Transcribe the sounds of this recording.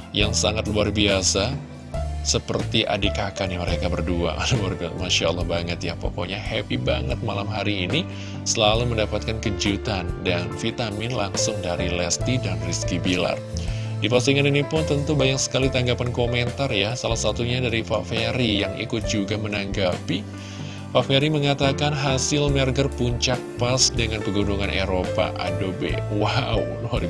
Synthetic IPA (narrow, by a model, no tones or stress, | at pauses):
jaŋsaŋat̪luarbiasa | səpərt̪iʔa̰dikakaniməɾekabərdua̰luarbmaʃalːɑhbaŋət̪japo̰ko̰ɲahɛpiba̰ŋət̪̚malamɦaɾiːni | səlaluməndapat̪̚kankəd͡ʒut̪andanfit̪amɪnlaŋsʊŋdaɾilɛst̪idanriskibila̰r | dipasiŋaninipʊnt̪ənt̪ubajaŋsə̥kalit̪aŋɡapankomɛnt̪arjasalahsat̪uɲadaɾifafeɾijaŋḭkʊt̪̚d͡ʒuɡamənaŋɡapi | fafeɾiməŋat̪akanɦasɪlmɛrɡərpuɲt͡ʃak̚pasdəŋanpəɡunuŋanʔeɾopa̰ʔa̰dobḛwawnaɾi